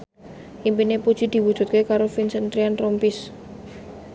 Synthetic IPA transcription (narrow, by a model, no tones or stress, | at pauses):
ʔimpinepud̥ʒ̥i̤d̪̥i̤wud̥ʒ̥ṳt̪̚kekaɾofinsənt̪ɾiant̪ɾɔmpis